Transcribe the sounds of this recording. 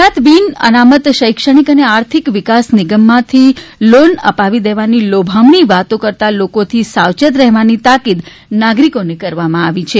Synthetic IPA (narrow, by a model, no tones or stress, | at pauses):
at̪ʋinə̰namət̪ʃəjkʃəɽ̃ikəneaɾt̪ʰikʋɪkasnɪɡəmːãt̪ʰilonə̰paʋid̪eʋanilobʱamɳiʋat̪õkəɾt̪alokot̪ʰisawt͡ʃət̪ɾɛɦʋanit̪akid̪ | naɡɾikonekəɾʋamãaʋit͡ʃʰe